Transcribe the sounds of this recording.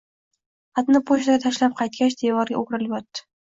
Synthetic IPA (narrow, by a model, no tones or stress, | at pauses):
at̪nɪpʰoʃt̪aɡʲat̪ʰaʃlap̚qʰɑjt̪̚kʲat͡ʃd̪evɒɾɡʲa̰oɡʲɾɪljɒt̪ːɪ̥